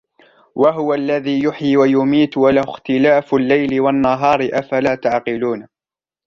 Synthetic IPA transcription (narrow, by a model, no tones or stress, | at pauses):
wʔaɦʊwalːaðiːjʊħiːwajʊmiːt̪walahʊxt̪ɪlaːflːajlɪwanːaɦɑːɾɪʔafalaːt̪aʕqɪluːn